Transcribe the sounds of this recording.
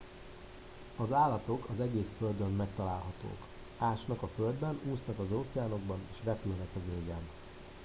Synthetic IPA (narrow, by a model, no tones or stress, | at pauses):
ɒzaːlːɒt̪o̞kɒzɛɡeːsføld̪ømːɛk̚t̪ɒlaːlɦɒt̪o̰ːk | aːʃnɒkɒføld̪bɛnuːsnɒkɒzoːt̪sɛaːno̞ɡbɒneːʃrɛpylnɛkɒzeːɡɛn